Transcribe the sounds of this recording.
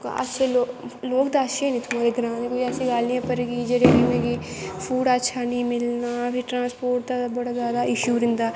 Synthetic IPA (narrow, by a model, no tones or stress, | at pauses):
kə̰tːʃʰeːloːloːkd̪aːəʃenĩt̪ʰʊmaːɾeɡɾãːnẽkoiɛːsiːɡaːlnijãːpəɾɡid͡ʒeɾeːɾimẽːɡipʰuːɽətːʃʰaːnĩːmɪlnaːpʰɪʈɾãːspoːʈ̚d̪aːbəɽaːzjaːd̪aːʔɪʃjuːɾɪ̃nd̪aː